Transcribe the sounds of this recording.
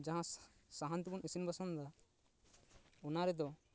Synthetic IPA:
d͡ʒãɦãsaɦant̪ibɔnisinbasɔnd̪a | ɔnaɾɛd̪ɔ

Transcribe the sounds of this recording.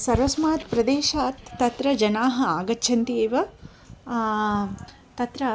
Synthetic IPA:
sɐɾʋɐsmaːt̪pɾɐd̪eːʃaːt̪ːɐt̪ɾɐd͡ʒɐnaːɦɐ̆aːɡɐtːʃʰɐnt̪ieːʋɐ | t̪ɐt̪ɾɐ

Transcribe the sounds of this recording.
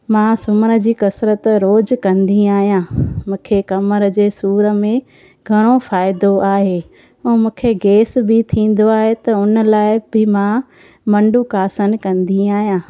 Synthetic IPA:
mãsʊməɾə̆d͡ʑiːkɐsɾət̪ɾoːd͡ʑkɐ̃nd̪iaːɦijãːmũːkʰekɐməɾəd͡ʑeːsuːɾə̆mẽ | ɡʱɐɽ̃ofaːɪd̪oaːɦeː | ũːmũːkʰeɡeːsbʱɪt̪ʰĩːn̆d̪oaːɦet̪ɐʊnə̆laːɪbɪmã | mɐ̃ɳɖukaːsənkɐ̃nd̪iaːɦijãː

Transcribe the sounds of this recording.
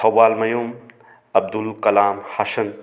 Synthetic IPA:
ɐwːaːlmɐjum | ɐb̚d̪ulkɐlaːmhɐʃɐn

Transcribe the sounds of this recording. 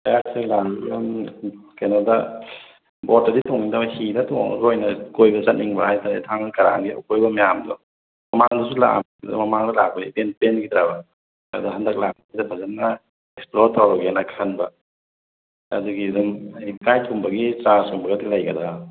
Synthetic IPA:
ajasilaŋumkajnadɐ | bɔtaditʰoŋidahinɐtʰoŋ̰ŋɾojnɐkojbɐzɐt̚niŋbɐhajtʰatʰaŋkɐɾa̰ŋɡia̰wkojbɐmajamdɔ | mɐmaŋdɔsula̰ | dɔ̰mɐmaŋdɐlak̚bɐipenpenɡidɾabɐ | adɐɦɐndɐk̚lak̚aajdɐpʰazat̚nːɐ | eksploɾtawɾɐkanakʰanbɐ | a̰zuɡidumajikajtʰumbɐɡitɾanskumbɐɡadilɐjɡɐda

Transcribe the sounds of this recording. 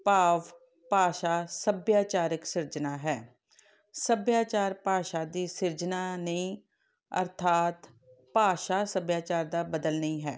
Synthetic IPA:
paːʋ | paːʃaːsəbjaːt͡ʃaːɾɪksɪɾd͡ʒnaːɦɛː | səbjaːt͡ʃaːɾpaːʃaːd̪iːsɪɾd͡ʒnaːnəĩː | ə̰ɾt̪ʰaːt̪ | paːʃaːsəbjaːt͡ʃaːɾd̪aːbəd̪əlnəĩːɦɛː

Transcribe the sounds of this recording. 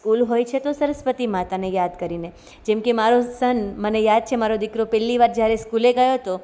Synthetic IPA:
skulɦojt͡ʃʰet̪osəɾəspət̪imãt̪anejad̪kəɾine | d͡ʒɛmkemaɾosənmənejad̪̚t͡ʃʰemaɾod̪ɪkɾopɛliʋaɾd͡ʒjaɾeskuleɡəjot̪o

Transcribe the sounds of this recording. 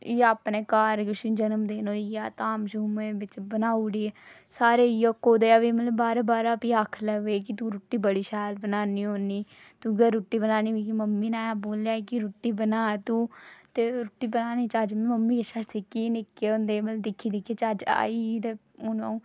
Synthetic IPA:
aːpneːkaːɾkʊʃiːd͡ʒənəmd̪eːnoːijaːt̪aːmʃuːmẽːʋɪt͡ʃbənaːuːɽiː | saːɾeːijokːoːd̪eːaːʋiːməlbaːɾabaːɾaːpiːaːkʰləʋeːkɪt̪uːɾuʈːiːbəɽiːʃɛːlbənaːniːɦoːniː | t̪uːɡəɾuːʈːiːbənaːniːiːkiməmːiːnaːjaboːljaːekɪɾuːʈːiːbənaːt̪uːt̪eːɾʊʈːiːbənaːniːt͡ʃaːd͡ʒmməmːiːʃaɾt̪ʰeːkiːnɪkːeːõːnd̪eːbəld̪ɪkʰːiːd̪ɪkʰːeːt͡ʃaːd͡ʒa̰ːiːt̪eː | ʊna̰ːũː

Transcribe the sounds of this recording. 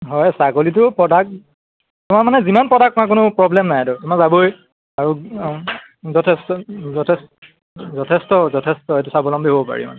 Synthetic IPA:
ɦɔjsaɡolit̬ʊpɹɔdak̚ | tʊmaɹmanɛzimanpɹɔdak̚takʊnʊpɹɔblɛmnajadɔtʊmazaboj | aɹu | zɔtʰɛstɔzɔtʰest | zɔtʰestɔzɔtʰestɔɦejtusabɔlɔmbʱiɦobɔpa̰ɹima̰nɛ

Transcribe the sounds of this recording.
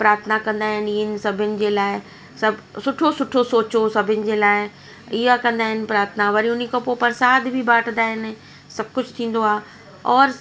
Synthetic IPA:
pɾaːɾt̪ʰənakɐ̃nd̪aːɦɪniɪn̆sɐbʱɪnɪ̆d͡ʑeːlaːɪ | sɐbsʊʈʰosʊʈʰosoːt͡ɕosɐbʱənɪ̆d͡ʑeːlaːɪ | iakɐ̃nd̪aːɦɪn̆pɾaːɾt̪ʰənaʋɐɾĩʊnikopopɐɾsaːd̪bʱibaːʈʰd̪aːɦɪn | sɐb̚kʊt͡ɕʰt̪ʰĩːn̆d̪oaː | ɔːɾ

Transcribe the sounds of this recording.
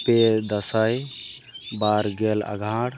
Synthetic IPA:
ped̪əsaj | baɾɡɛla̰ɡʱãɽ

